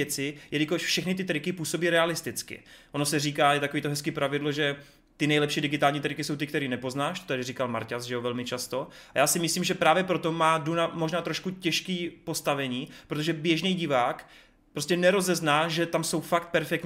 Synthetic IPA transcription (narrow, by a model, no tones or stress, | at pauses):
ɛt͡sɪjɛdɪkoʃfʃɛxnɪt̪̬ɪt̪ɾɪkɪpuːso̞biːɾɛalɪst̪ɪt͡skɪ̰ʔonosɛriːkaːjɛt̪akoviːt̪oɦɛskiːpɾʔavɪdlo̞ʒɛ | t̪ɪnɛjlɛpʃiːdɪɡɪt̪aːlɲiːt̪ɾɪkɪso̞wt̪ɪkt̪ɛɾiːnɛpo̞znaːʃt̪o̥t̪adɪriːkalma̰ɾcasʒɛovɛlmɪt͡ʃast̪o̞a̰jaːsɪmɪsliːmʒɛpɾaːvjɛpɾo̞t̪o̞maːdunamoʒnaːt̪ɾo̞ʃkucɛʃkiːpo̞st̪avɛɲiːpɾot̪oʒɛbjɛʒnɛjɟɪvaːk | pɾoscɛnɛɾo̞zɛznaːʒɛt̪amso̞wfakt̪̚pɛɾfɛkt̪ɲ